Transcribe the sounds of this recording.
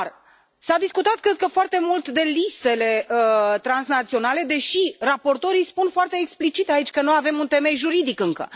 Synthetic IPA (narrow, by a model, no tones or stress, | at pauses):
r | sad̪iskut̪at̪̚kɾe̞d̪̚kəfoart̪e̞mult̪d̪e̞list̪e̞le̞ət̪ɾansnat̪sio̞nale̞d̪e̞ʃirapo̞rt̪o̞ɾijspunfoart̪e̞ːksplit͡ʃit̪ait͡ʃʲkənojave̞munt̪e̞me̞jʒuɾid̪ikɨŋkə̰